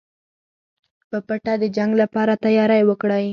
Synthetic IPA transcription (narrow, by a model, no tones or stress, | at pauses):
pəpaʈad̪əd͡ʒaŋɡlapɑɾat̪ajɑɾajwəkɽaj